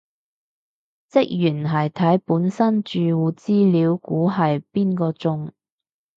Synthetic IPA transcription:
t͡sɪ˥k̚jyː˨˩nɦɐ˨jt̪ʰɐ˨˥jpuː˨˥nsɐ˥nt͡ʃyː˨wuː˨˧t͡siː˥liː˨˥wkuː˨˥ɦɐ˨jpiː˥nkɔː˧t͡sʊ˧ŋ

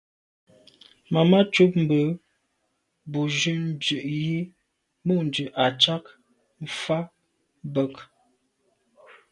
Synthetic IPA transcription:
ma˨ma˦t͡ʃu˦p̚m̩˨bə˨˦ | bu˨d͡ʒʉ˦n̩˦d͡ʒʉ˨ʔji˦ | mu˦˨n̩˨d͡ʒʉ˨ʔa˨t͡ʃa˦k | m̩˦˨fa˦ | bə˦˨k

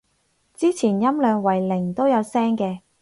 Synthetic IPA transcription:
t͡siː˥t͡sʰiː˨˩njɐ˥mlœː˨˧ŋwɐ˨˩jlɪ˨˩ŋt̪o˥wjɐ˨˧wsɛː˥ŋkɛː˧

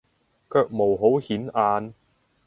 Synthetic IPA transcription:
kœː˧k̚mo˨˩wɦo˨˥whiː˨˥nʔaː˧n

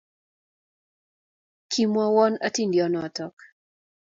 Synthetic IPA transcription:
kʰi˦mwɔ˦wɔ˦na˦ti˦ndiɔnɔa˨tɔk

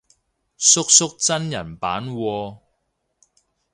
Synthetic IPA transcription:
sʊ˥k̚sʊ˥k̚t͡sɐ˥njɐ˨˩npaː˨˥nwɔː˧

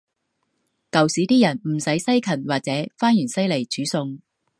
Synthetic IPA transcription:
kɐ˨wsiː˨˥t̪iː˥jɐ˨˩nm̩˨˩sɐ˨˥jsɐ˥jkʰɐ˨˩nwaː˨k̚t͡sɛː˨˥faː˥njyː˨˩nsɐ˥jle˨˩jt͡syː˨˥sʊ˧ŋ

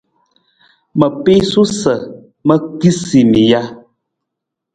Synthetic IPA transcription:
mə˨pe˦su˦sə˨ | mə˦ki˦si˨mi˨ja˦

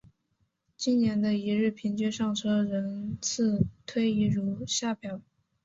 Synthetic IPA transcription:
t͡ɕi˥nnjɛ˧˥nd̪ə˧i˧˥ɻɻ̩˥˩pʰi˧˥ŋt͡ɕɥɛ˥ʂɑ˥˩ŋʈ͡ʂʰɤ˥ɻə˧˥nt͡sʰɹ̩˥˩t̪ʰwe˥ɪi˧˥˩ɻu˧˥ɕja˥˩pʰjɑ˧˩˥ʊ

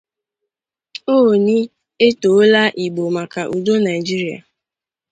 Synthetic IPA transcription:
o˦o˨ni˦ | e˦to˨o˦la˦ʔi˨ɡ͡bo˨ma˨ka˨ʔu˨do˦na˨i˨d͡ʒi˦ɾi˨a̰˨

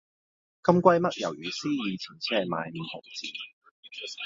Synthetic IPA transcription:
kɐ˥mkʷɐ˥jmɐ˥t̚jʔɐ˨˩wjyː˨˩siː˥jiː˨˧t͡sʰiː˨˩nt͡sʰɛ˥˨˩ma̰ː˨˧jm̩˨˧ho˨˩kt͡sḭː˨˩

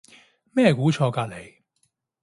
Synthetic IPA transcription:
mɛː˥˧˩kuː˨˥t͡ʃʰɔː˧kaː˧le˨˧j

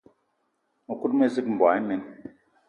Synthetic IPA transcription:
mu˨ku˦tme˦zi˦km̩˨bwa˨˦i˦me˨n

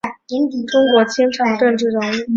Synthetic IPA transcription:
i˧˥n˨˩ʈ͡ʂʊ˥ŋkwɔ˧˥t͡ɕʰjɛ˥nʈ͡ʂʰɑ˧˥ŋʈ͡ʂɤ˥˧nʈ͡ʂɻ̩˥˩ɻʊ˧˥ŋi˥˩

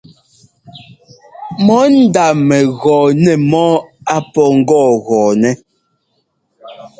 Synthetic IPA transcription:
mɔ˨˦n̩˦da˨mɛ˨ɣɔː˨nɛ˨mɔ˦a˨pɔ˨ŋ̩˦ɡɔː˦˨ɣɔː˨nɛ˦

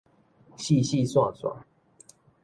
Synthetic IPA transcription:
ɕi˥˧ɕi˥˧˨swa˥˧swa̰˥˨

